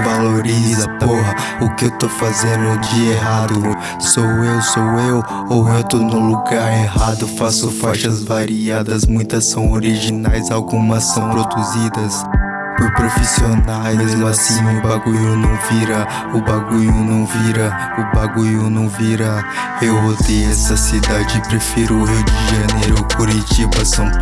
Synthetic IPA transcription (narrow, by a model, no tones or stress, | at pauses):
valoɾizɐpoɦɐ | ʊkɪewt̪ofazẽd̪ʊd͡ʒiɐeɦad̪ʊ | sowewsowew | owewt̪onʊ̃luɡaɾeɦad̪ʊfasʊfaʃɐzvaɾiad̪ɐzmũj̃t̪ɐsːɐ̃w̃oɾiʒinajzawɡũmɐsːɐ̃w̃pɾod̪uzid̪ɐs | pʊɾpɾofisionajmezmʊasĩj̃ʊbaɡujʊnɐ̃w̃viɾɐ | ʊbaɡujʊnɐ̃w̃viɾɐ | ʊbaɡujʊnɐ̃w̃viɾɐ | ewvot̪eɛsɐsid̪ad͡ʒɪpɾefiɾʊhiwd͡ʒɪʒɐnejɾʊkuɾit͡ʃibɐsɐ̃w̃